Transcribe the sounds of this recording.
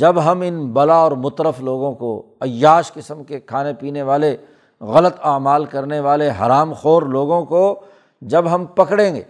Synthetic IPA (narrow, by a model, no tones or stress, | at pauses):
d͡ʒɐbɦɐmɪnbɐlaɔːɾmʊt̪ɾəfloːɡõko | ɐjːaːʃkɪsəmkekʰaːnepiːneʋaːle | ɣɐlət̪aːmaːlkɐɾneʋaːleɦɐ̰ɾaːmxoːɾloːɡõko | d͡ʒɐbɦɐmpɐkɽẽːɡḛː